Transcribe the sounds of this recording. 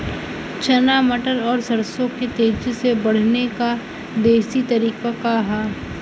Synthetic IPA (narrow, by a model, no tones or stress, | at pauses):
t͡ʃɐnaːməʈəɾɔːɾsɐɾsõket̪eːd͡ʒsebɐɽ̤neka | d̪eːsit̪ɐɾiːqakaɦɛː